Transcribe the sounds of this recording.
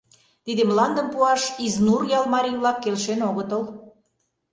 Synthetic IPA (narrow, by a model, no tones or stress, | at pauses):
t̪id̪əmlɑnd̪ə̆mpuɑʃiznurjɑlmɑɾʲijβlɑkːelʃenoɣət̪əl